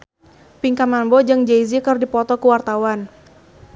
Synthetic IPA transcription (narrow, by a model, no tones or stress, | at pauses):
piŋkamanbɔd͡ʒɨŋd͡ʒeizikərdipɔt̪ɔkuwart̪awan